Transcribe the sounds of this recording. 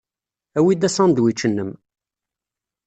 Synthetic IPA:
æwid̪æsɑnd̪wit͡ʃːənːəm

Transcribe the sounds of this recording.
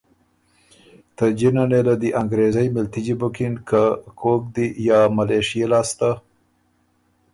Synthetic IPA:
t̪əd͡ʒinanelad̪iʔaŋɡɾezajmɪlt̪id͡ʒibʊkinkakʰok̚d̪ijɑmaleʂijelɑst̪a

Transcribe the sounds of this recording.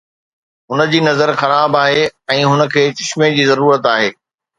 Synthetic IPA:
ɦʊnə̆d͡ʑiːnɐzəɾxɐɾaːbaːɦeɛ̃ːɦʊnə̆kʰeːt͡ɕɪʃmẽd͡ʑiːzɐɾuːɾət̪aːɦeː

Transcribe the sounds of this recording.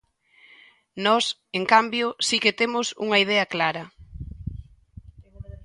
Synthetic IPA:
nɔs | eŋkambjʊsiket̪emʊsṵŋɐiðɛɐklaɾɐ

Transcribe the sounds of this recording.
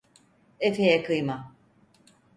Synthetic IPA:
efejɛkɯjma

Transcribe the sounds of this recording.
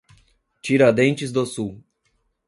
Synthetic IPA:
t͡ʃiɾɐd̪ẽnt͡ʃɪzd̪osuw

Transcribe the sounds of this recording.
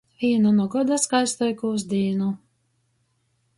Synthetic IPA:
vʲiːɛnunuɔɡɔd̪askajst̪ɔjkuzd̪ʲiːnu

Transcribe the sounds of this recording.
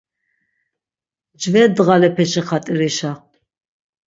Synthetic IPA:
d͡ʒvɛd̪ʁalɛpʰɛʃiχat̪ʼiɾiʃa

